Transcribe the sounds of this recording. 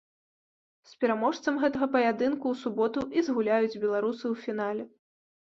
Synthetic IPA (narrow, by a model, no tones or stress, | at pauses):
spʲɛɾamɔʂt̪sɐmɣɛt̪ɐɣɐpɐjad̪ɨnkuːsubɔt̪uʔizɣulʲajud͡zʲbʲɛlˠaɾusɨwfʲin̪alʲɛ